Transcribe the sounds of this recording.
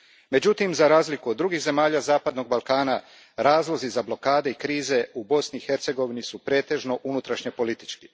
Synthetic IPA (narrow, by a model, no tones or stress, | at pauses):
me̞d͡ʑut̪imzaɾaːzlikuod̪dːɾuɡixze̞maːʎazaːpad̪no̞ɡ̚balˠkaːna | ɾaːzlˠo̞zizablo̞kaːd̪e̞ikɾiːze̞ubo̞sniːxe̞ɾt̪se̞ɡo̞ʋinisupɾe̞ːt̪e̞ʒnoʔunut̪ɾaʃɲepo̞lit̪i̥t͡ʃki